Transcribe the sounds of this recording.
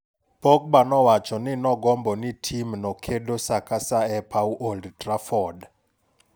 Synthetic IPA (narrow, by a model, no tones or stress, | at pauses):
b̥ɔk̚ɓanɔwat͡ʃʰɔnɪnɔɡɔmbɔnitʰimnɔkʰedɔsakʰasaɛpʰawʔoldtrafɔd